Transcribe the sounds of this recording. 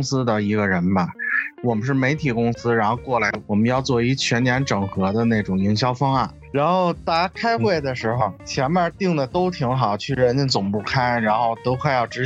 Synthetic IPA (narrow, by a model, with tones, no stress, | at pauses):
ŋsɹ̩˥d̪ə˨i˧˥ɡə˧ɻə˧˥nbɐ˧˩wɔ˨˩mə˦nʂ̬ɻ̩˥˩me˧˥ɪt̪ʰi˨˩kʊ˥ŋsɹ̩˥ɻa˧˥nxo˥˧ʊkwɔ˥˩la˧˥ɪwɔ˨˩mə˦njɑ˥˧ʊt͡swɔ˥˩i˧˥t͡ɕʰɥɛ˧˥nnjɛ˧˥nʈ͡ʂɤ˨˩ŋxɤ˧˥d̪ə˧ne˥˩ɪʈ͡ʂʊ˨˩ŋi˧˥ŋɕjɑ˥ʊfɑ˥ŋa˥˩nɻa˧˥nxo˥˧ʊt̪a˥˧a˥kʰa˥ɪxwe˥˩ɪd̪ə˩ʂɻ̩˧˥xo˧ʊt͡ɕʰjɛ˧˥nma˥˧t̪i˥˩ŋd̪ə˩t̪o˥ʊt̪ʰi˧˥ŋxɑ˨˩ʊt͡ɕʰy˥˩ɻə˧˥nt͡ɕnt͡sʊ˨˩ŋpu˥˧kʰa˥˩nɻa˧˥nxo˥˧ʊt̪o˥ʊkʰwa˥˧ɪjɑ˥˩ʊʈ͡ʂɻ̩˧˥